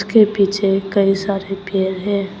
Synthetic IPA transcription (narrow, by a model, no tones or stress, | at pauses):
skepiːt͡ʃʰekɐisaːɾepeːɾɦɛ̃ː